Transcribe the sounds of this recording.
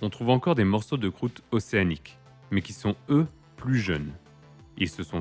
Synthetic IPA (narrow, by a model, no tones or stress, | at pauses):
ɔ̃t̪χuvɑ̃kɔʁd̪emɔʁsod̪əkχut̪ɔseanik | mɛkʲisɔ̃ø | plyʒœn | ilsəsɔ̃